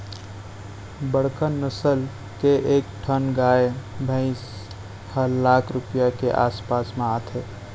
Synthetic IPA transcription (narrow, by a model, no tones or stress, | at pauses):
bəɽ̤kənːəsəl | keʔeːkʈʰənɡaːebʱə̃ɪs | həlaːkʰɾʊpijakeʔa̰ːspaːsmẽat̪ʰe